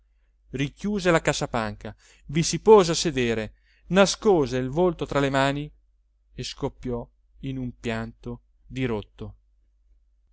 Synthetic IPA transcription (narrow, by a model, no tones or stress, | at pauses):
rikjuːzelakasapaŋka | visipoːzeased̪eːɾe | naskɔːzeilvolt̪ot̪ɾalemaːni | eskopːjɔ | inumpjant̪o | d̪iɾot̪ːo